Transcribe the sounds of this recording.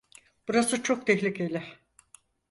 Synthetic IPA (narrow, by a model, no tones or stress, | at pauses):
b̥uɾasɯt͡ʃʰo̞k̚t̪ʰɛçlʲicelʲɪ